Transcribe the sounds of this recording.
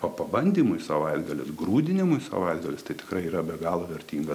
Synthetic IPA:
pɐpɐbɐnʲd̪ʲiːmʊɪsɐʋɐɪd̪ɡɐlʲɪ̰sɡɾuːd̪ʲɪnʲɪmʊɪsɐ̰ʋɐɪd̪ɡɐlʲɪst̪ɐɪt̪ʲɪ̥kɾɐɪiːɾɐbʲɛɡɑːlˠoːʋʲɛɾʲt̪ʲiːŋɡɐ

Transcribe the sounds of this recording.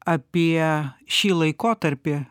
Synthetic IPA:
ɐpʲiɛʃʲiːlˠɐɪkoːt̪ɐɾʲpʲɪ

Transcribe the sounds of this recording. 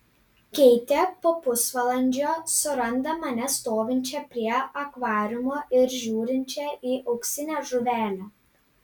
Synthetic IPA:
kʲɛɪt̪ʲepoːpʊsʋɐlˠɐnʲd͡ʒʲoːsʊɾɐnd̪ɐmɐnʲɛst̪oːʋʲɪnʲt͡ʃʲɛpʲɾʲiɛɐkʋɑːɾʲʊmoːʔɪɾʒʲuːɾʲɪnʲt͡ʃʲɛiːʔɐʊksʲɪnʲæːʒʊʋʲæːlʲɛː

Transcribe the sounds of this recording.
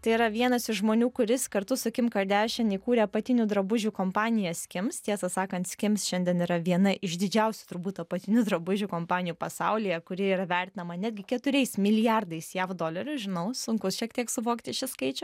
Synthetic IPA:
t̪ɐɪiɾɐʋʲiɛnɐsɪʃʒmoːnʲuːkʊɾʲɪskɐɾt̪ʊsʊkʲɪmkɐd̪ʲæːʃʲɛniːkuːɾʲɛpɐt̪ʲɪnʲuːd̪ɾɐbʊʒʲuːkoːmpɑːnʲɪjɛsʲkʲɪmst̪ʲiɛsɐsɑːkɐnt̪sʲkʲɪmsʃʲɛnʲd̪ʲɛniːɾɐʋʲiɛnɐʔɪʃd̪ʲɪd͡ʒʲɛʊsʲʊ̥t̪ʊrbuːt̪ɐpɐt̪ʲɪnʲud̪ɾɐbʊʒʲuːkoːmpɑːnʲɪjuːpɐsɐʊlʲijɛkʊɾʲɪiːɾɐʋʲɛrʲt̪ʲɪnɐmɐnʲæːd̪ʲɡʲɪkʲɛt̪ʊɾʲɛɪsmʲɪlʲɪjɑrd̪ɐɪsjæfd̪oːlʲɐɾʲʊʒʲɪnɐʊsʊŋkʊsʃʲiɛkt̪ʲiɛksʊʋoːkt̪ʲɪʃʲɪskɐɪt͡ʃʲʊ

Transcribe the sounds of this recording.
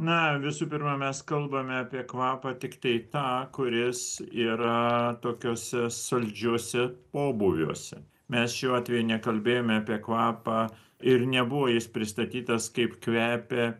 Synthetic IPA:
nɐʋʲɪsuːpʲɪɾmɐmʲɛskɐlˠbɐmʲɛɑːpʲiɛkʋɑːpɑt̪ʲɪkt̪ɐɪt̪ɑːkʊɾʲɪsiːɾɐt̪oːkʲoːsʲɛsɐlʲd͡ʒʲuɔsʲɛpoːbuʋʲṵːsʲɛ | mʲɛsʃʲuːɑːt̪ʲʋʲɛjunʲɛkɐlʲbʲeːjoːmʲɛɑːpʲiɛkʋɑːpɑ | ɪɾnʲɛbʊʋoːjɪspʲɾʲɪst̪ɐt̪ʲiːt̪ɐskɐɪpkʋʲæːpʲe

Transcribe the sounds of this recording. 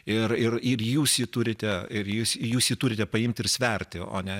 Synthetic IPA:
ɪrɪrɪrjuːsjiːt̪ʊɾʲɪt̪ʲɛɪrjuːsjuːsjiːt̪ʊːɾʲɪt̪ʲɛpɐɪmʲt̪ʲɪrsʲʋʲɛrʲt̪ʲɪo̰ːnʲɛ

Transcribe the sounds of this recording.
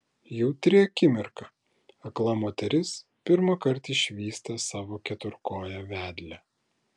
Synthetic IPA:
jɛʊt̪ʲɾʲɪɐkʲɪmʲɪɾkɐ | ɐklˠɐmoːt̪ʲɛɾʲɪs | pʲɪɾmɐkɐɾt̪ɪʃʲʋʲiːst̪ɐsɑːʋoːkʲɛt̪ʊɾkoːjɛʋʲæːd̪ʲlʲɛ

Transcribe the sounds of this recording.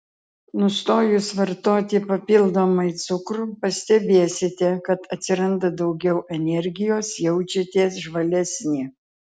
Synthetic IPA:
nʊst̪oːjʊsʋɐɾt̪oːt̪ʲɪpɐpʲɪlˠd̪oːmɐɪt̪sʊkɾupɐsʲt̪ʲɛbʲeːsʲɪt̪ʲɛkɐt̪ɐt̪ʲsʲɪɾɐnd̪ɐd̪ɐʊɡʲɛʊʔɛnʲɛɾʲɡʲɪjoːsjɛʊt͡ʃʲɛt̪ʲiɛsʒʋɐlʲɛsʲnʲɪ

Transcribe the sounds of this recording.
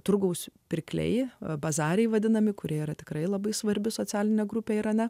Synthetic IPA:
t̪ɾʊɡɐʊspʲɪɾʲkʲlʲɛ̰ɪbɐzɑːɾʲɛɪʋɐd̪ʲɪnɐmʲɪkʊɾʲiɛiɾɐt̪ʲɪ̥kɾɐɪlˠɐbɐɪsʋɐɾʲbʲɪsoːt͡sʲæːlʲɪnʲɛɡɾʊpʲeːɪɾɐnʲɛ

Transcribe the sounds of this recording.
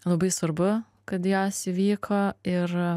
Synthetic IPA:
lˠɐbɐɪsʋɐɾbʊ | kɐt̪joːsʲɪʋʲiːkʰoːɪɾ

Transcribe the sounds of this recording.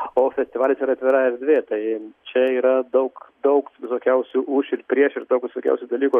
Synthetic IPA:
oːfʲɛsʲt̪ʲɪʋɑːlʲɪsiːɾɐt̪ʲʋʲɪɾɑːɛɾd̪ʲʋʲeːt̪ɐɪt͡ʃʲɛiːɾɐd̪ɐʊkd̪ɐʊkʋʲɪsoːkʲɛʊsʲuːʔuʃʲɪɾpʲɾʲiɛʃɪɾd̪oʊkʋʲɪsoːkʲɛ̰ʊsʲuːd̪ɐlʲiːku

